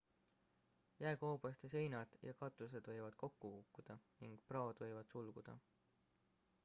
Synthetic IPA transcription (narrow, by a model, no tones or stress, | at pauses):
jæekoːb̥ɑst̪ese̞jnɑd̪̥jɑkɑt̪ːˑus̬e̞d̪̥vɤ̞jvɑd̪̥ko̞kːukukːud̪̥ɑniŋɡ̥̚prɑod̪̥vɤjvɑd̪̥sulɡ̥ud̪̥ɑ̰